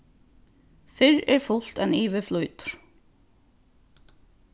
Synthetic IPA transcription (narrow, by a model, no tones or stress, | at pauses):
fɪɹɛɹfʊl̥t̪ɛniːʋɪflujt̪ɾ̥